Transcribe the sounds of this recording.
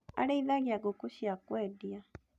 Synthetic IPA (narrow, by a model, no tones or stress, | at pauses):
a̰ɾeiðaɣiaɡokuɕiakwɛːdia